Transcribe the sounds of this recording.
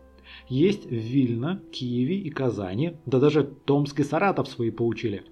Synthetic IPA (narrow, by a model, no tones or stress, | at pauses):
jesʲtʲvːʲilʲnəkʲʰijɪvʲɪikɐza̰nʲɪd̪əd̪aʐɨt̪o̞mskʲɪsɐɾat̪əfsvɐipəlˠʊt͡ɕilʲɪ